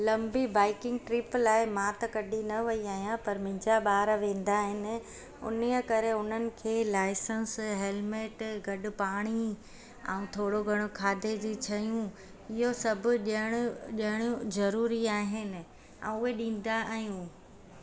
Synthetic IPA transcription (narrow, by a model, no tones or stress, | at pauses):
lɐ̃mbibaːɪkɪ̃ŋɡ̚ʈɾɪplaːɪmãt̪ɐkɐɗinɐʋɐiaːɦijãpɐɾmɪ̃ɲd͡ʑaɓaːɾʋẽːn̆d̪aɦɪnɪ̆ | ʊ̰niəkɐɾeʊn̤ənɪ̆kʰeːlaːɪsənsɦeːlmeːʈɡɐɗʊ̆paːɽ̃i | ɛ̰̃ũt̪ʰoːɽoɡʱɐɽ̃okʰaːd̪ʱed͡ʑiːt͡ɕʰɐjũ | ɪɦosɐbʱʊ̆ɗəɽ̃ʊʄɦɽ̃jũzɐɾuːɾiaːɦɪnɪ̆ | ɛ̰̃ʊɦeɗĩːn̆d̪aːɦijũː